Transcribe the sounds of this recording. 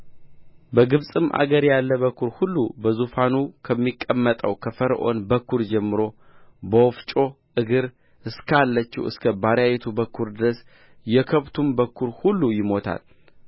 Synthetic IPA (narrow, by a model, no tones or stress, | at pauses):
bəɡɨβsʼɨmʔa̰ɡəɾjalːəβəkʰːuɾhulːubəzufanukʰəmːikʼːəmːət̪ʼəwkʰəfəɾʔo̞̰nbəkʰːuɾd͡ʒɛmːɨɾo̞ | bəwɔft͡ʃʼo̞ | ʔɨɡɨɾ | ʔɨskʰalːət͡ʃːḭwɨ̰skʰəbaɾjajɛt̪ʰubəkʰːuɾd̪ɨɾəs | jɛkʰəβt̪ʰumbəkʰːuɾhulːujɪmo̞t̪ʰa̰l